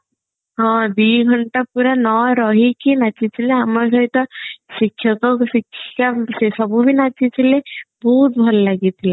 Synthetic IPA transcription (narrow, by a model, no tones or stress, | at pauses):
ɦɔ̃d̪iɡʱɔɳʈapuɾanɔɾɔɦikinat͡ʃʰit͡ʃʰileamɔɾs̬ɔɦit̪ɔsikʰːjɔkɔksikʰːasesɔbubʱinat͡ʃit͡ʃʰilebɔɦut̪̚bʱɔlɔlaɡit̪ʰile